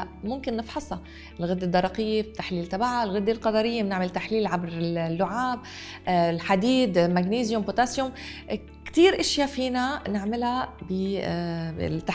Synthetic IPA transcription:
mʊmkɪnːɪfħɑsˤɑ | ɪlɣɪd̪ːed̪ːɑɾˤɑqɪjːebt̪ːaħliːlt̪abaʕaɪlɣɪd̪ːelqɑd̪ɑɾɪjːemnɪʕmɪlt̪aħliːlʕabɾɪlːʊʕaːb | lħad̪iːd̪maɡniːzjʊmbot̪aːsjʊm | kt̪iːɾʔɪʃjafiːnanɪʕmɪlhabɪ | ɪ̰t̪ːa

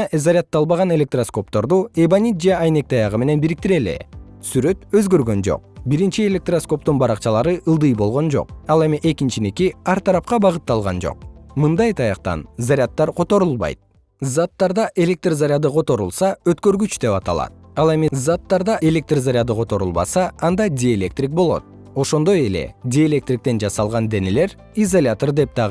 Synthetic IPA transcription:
zaɾʲat̪ːɑlˠβɑʁɑne̞lʲe̞k̚t̪rasko̞p̚t̪o̞ɾd̪uebanʲit̪̚d͡ʒeɑjne̞k̚t̪ʰɑjɑʁɯme̞ne̞nbiɾik̚t̪iɾe̞lḛ | syɾø̞t̪ø̞zɡø̞ɾɡø̞nd͡ʒo̞̰q̚biɾint͡ʃie̞lʲe̞k̚t̪rasko̞p̚t̪unbɑɾɑqt͡ʃɑlˠɑɾɯʔɯlˠd̪ɯjbo̞lˠʁo̞nd͡ʒo̞̰qɑlˠe̞miʔe̞kint͡ʃinekiɑɾt̪ʰɑɾɑp̚qɑbɑʁɯt̪ːɑlˠʁɑ̰nd͡ʒo̰qmɯnd̪ɑjt̪ʰɑjɑq̚t̪ɑ̰nzaɾʲɪat̪ːɑɾqʰo̞t̪o̞ɾulˠbɑ̰jt̪̚ | zat̪ːɑɾd̪ɑʔe̞lʲe̞k̚t̪rzaɾʲɪad̪ɯqʰo̞t̪o̞ɾulˠsɑøt̪kø̞ɾɡyt͡ʃd̪e̞pɑt̪ɑlˠɑ̰t̪̚ɑlˠe̞mizat̪ːɑɾd̪ɑʔe̞lʲe̞k̚t̪rzaɾʲad̪ɯqʰo̞t̪o̞ɾulˠbɑ̰sɑːnd̪ɑdʲielʲe̞k̚t̪rʲik̚bo̞lˠo̞̰t̪̚ | o̞ʃo̞nd̪o̞je̞le̞̰d̪ʲielʲe̞k̚t̪rʲik̚t̪e̞nd͡ʒɑsɑlˠʁɑnd̪e̞ne̞le̞ɾ | izolʲat̪ord̪e̞p̚d̪ɑʁ

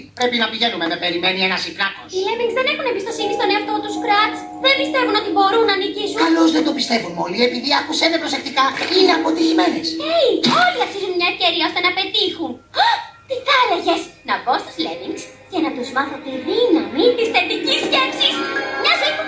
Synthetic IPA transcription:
pɾe̞pinɐpiʝe̞numenɐpe̞ɾime̞nienɐsipnɐkosilemiŋɡzðenexunebist̪osinist̪o̞neɐft̪o̞t̪uskɾɐt̪s | ðebist̪e̞vuno̞t̪ibo̞ɾunːɐːnicisukɐlo̞zðend̪opist̪e̞vunmo̞liepiðiɐkusemepɾose̞kt̪ikɐineɐpo̞t̪izime̞nesejo̞liɐksizunmɲɐefceɾiɐo̞st̪e̞nɐpe̞t̪ixun | t̪iθɐleʝesnɐbo̞st̪u̥zlemiŋɡs | cɐnɐt̪uzmɐθot̪eðinɐmit̪isθe̞t̪iciscefsismɲɐzifu

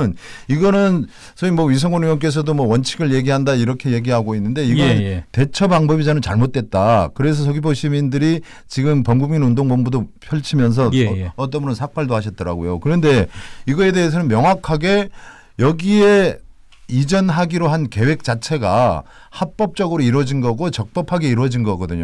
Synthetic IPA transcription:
niɡʌnɯn | sʰʌimwʌɥis̬ʰʌŋɡonujʌnk̬͈e̞s̬ʰʌdomwʌwʌnt͡ɕʰiɡɯɭje̞ɡiɦandaiɾʌkʰe̞je̞ɡiɦaɡoinːɯnde̞iɡʌnɯnte̞t͡ɕʰʌbaŋbʌbid͡ʑanɯnt͡ɕaɭmot̚t͈e̞t̚t͈akɯɾe̞s̬ʰʌs̬ʰʌɡipʰoɕʰimindɯɾi | t͡ɕiɡɯmpʌŋɡuminundoŋbʌmbudopʰjʌɭt͡ɕʰimjʌns̬ʰʌʌt̬͈ʌmɯɾʌnsʰak̚p͈aɭdohaɕʰʌt̚t͈ʌɾa̰ɡojokɯɾʌnde̞iɡʌe̞de̞ɦes̬ʰʌnɯnmjʌŋwakʰaɡe̞ | jʌɡie̞ | id͡ʑʌnɦaɡiɾoɦanke̞we̞k̚t͡ɕ͈at͡ɕʰe̞ɡa̰ | hat̚p͈ʌp̚t͡ɕ͈ʌɡɯɾoiɾwʌd͡ʑinɡʌɡot͡ɕʌk̚p͈ʌpʰaɡe̞iɾwʌd͡ʑinɡʌɡʌdɯɲo

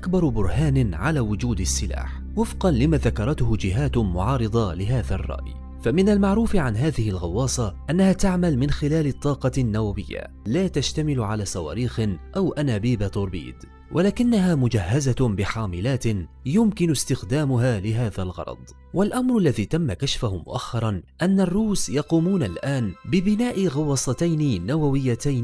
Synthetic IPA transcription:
ʔʔakbɑɾˤbʊɾˤhaːnʕalaːwʊd͡ʒuːd̪asːɪla̰ːħ | wɪfqɑnlɪmaːðakɑɾˤɑt̪hʊd͡ʒɪɦaːt̪mʊʕɑːɾˤɨd̪ˤɑlɪɦaːðarˤːɑ̰ʔj | famɪnalmaʕɾuːfʕanɦaːðɪhɪlɣɑwːɑːsˤɑʔanːahaːt̪aʕmalmɪnxɪlaːlɪt̪ˤːɑːqɑnːawawɪjːa̰ | laːt̪aʃt̪amɪlʕalaːsˤɑwa̰ːɾiːxʔawʔanaːbiːbat̪ˤʊɾˤbḭːd̪ | wʔalaːkɪnːaɦaːmʊd͡ʒahːazabɪħaːmɪlaːt̪jʊmkɪnʊst̪ɪxd̪aːmʊɦaːlɪɦaːðalɣɑ̰ɾˤɑ̰d̪ˤ | walʔamɾˤalːaðiːt̪amːakaʃfʊhʊmʊ̰ʔaxːɑɾˤɑnʔanːarˤːuːsjɑquːmuːnalʔaːnbɪbɪnaːʔɪɣɑwːɑːsˤɑt̪ajnɪnawawɪjːat̪ajn

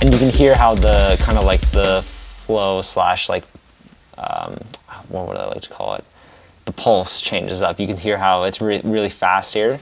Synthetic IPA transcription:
ʔɨ̃njɨkɨ̃nhiɹɦaʊðəkʰãɪ̃ndəlaɪk̚ðəfloʊslæ̰ʃlaɪk̚ | ʌ̰̃mwɔ̰˞wʌ̰ɾa̰la̰ɪk̚tʰə̥kʰɔ̰lˠɪ̰t̪̚ | ðəpʰʌlˠst͡ʃʰẽɪ̃nd͡ʒɨzʌpjɨkɨ̃nɦiɹɦaʊɨtsɹɪɹɪlˠifæst̚hiɹ

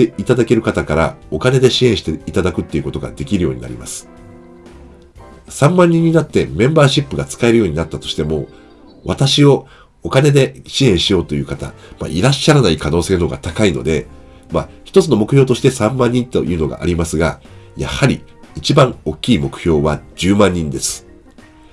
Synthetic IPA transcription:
eit̪ad̪ake̞ɾɯ̟kat̪akaɾa̰o̞kane̞d̪e̞ɕiẽ̞ɰ̃ɕi̥t̪eit̪ad̪akɯ̟t̪ːe̞iɯ̟ko̞t̪o̞ɡa̰d̪e̞kʲiɾɯ̟jo̞̰ːɲ̟ḭna̰ɾʲḭmasɨ̥ | sãmːãɲ̟ːĩɲ̟ːinat̪ːe̞mẽ̞mbaːɕipːɯɡat͡sɨ̥kae̞ɾɯ̟jo̞ːɲ̟inat̪ːat̪o̞ɕi̥t̪e̞mo̞ | βat̪aɕio̞ | okane̞d̪e̞ɕiẽ̞ɰ̃ɕijo̞ːt̪o̞jɯ̟ːkat̪a̰ma̰ʔiɾaɕːaɾanaikano̞ːseːno̞ɡa̰t̪akaino̞̰d̪e̞ | ma̰çi̥t̪o̞t͡sɨno̞mo̞kɯ̟çjo̞ːt̪o̞ɕi̥t̪e̞sãmːãɲ̟ːĩnt̪o̞̰jɯ̟ːno̞ɡa̰ʔa̰ɾʲimasɨɡaja̰haɾʲiːt͡ɕibãŋo̞kʲːiːmo̞kɯ̟̥çʲo̞ːβad͡ʑɨːmãɲ̟ːĩnd̪e̞sɨ̥

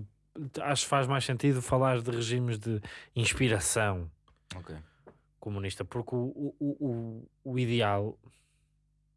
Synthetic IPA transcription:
aʃu̥kfaʒmajʃsẽnt̪iðufɐlˠaɾðɨʁɨʒimʒðɨĩʃpiɾɐsɐ̃w̃ | oke | kumuniʃt̪ɐpuɾkuuuʔː | iðɨalˠ

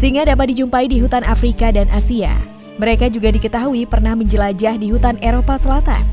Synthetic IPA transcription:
səiŋɡadapat̪̚did͡ʒumpaidiɦut̪ana̰fɾikadanʔasia̰ | məɾekad͡ʒuɡadikət̪aɦuipərnahməɲd͡ʒəlad͡ʒahdiɦut̪aneɾopasəlat̪a̰n

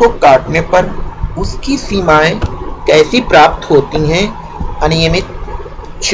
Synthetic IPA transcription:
kokaːʈnepɐɾʊskisiːmaːẽkɛːsipɾaːp̚t̪ɦoːt̪iɦɛ̃ | ɐnɪjəmɪt̪̚ | ʃ

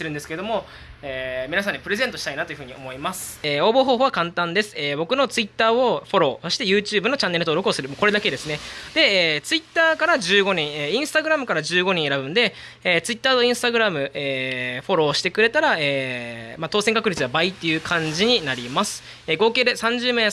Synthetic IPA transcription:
eɾɯ̟̃nd̪esɨ̥ke̞ed̪o̞mo̞ | eːmʲinasãɲ̟ːipɯ̟ɾe̞zent̪oɕi̥ainat̪o̞jɯ̟ɯ̟ɲ̟io̞mo̞imasɨ̥eːo̞ːbo̞ːɦo̞ːhoːβakãnt̪ãnd̪e̞sɨ̥eːbo̞kɯ̟no̞t͡sɨit̪ːaːo̞ɸo̞ɾo̞ːso̞ɕi̥t̪e̞jɯ̟ːt͡ɕɨːbɯno̞t͡ɕãnːeɾɯt̪oːɾo̞kɯosɨɾɯmoːko̞ɾe̞d̪ake̞d̪e̞sɨne̞d̪e̞eːt͡sɨit̪ːaːkaɾaʑɨːɡo̞ɲ̟ĩɰeːĩɰ̃sɨ̥t̪aɡɯ̟ɾamɯ̟kaɾad͡ʑɨːɡo̞ɲ̟ĩɰ̃e̞ɾabɯ̟̃nd̪e̞ | eːt͡sɨit̪ːaːt̪o̞ĩɰ̃sɨ̥t̪aɡɯ̟ɾamɯ̟eːɸo̞ɾo̞ːɕi̥t̪e̞kɯ̟ɾe̞t̪aɾaeːmat̪o̞ːsẽ̞ŋkakɯ̟ɾʲit͡sɨβabait̪ːe̞jɯ̟kʰãɲ̟d͡ʑiɲ̟inaɾʲimasɨ̥ | eːɡo̞ːke̞ːd̪e̞sãɲ̟d͡ʑɨːme̞ː

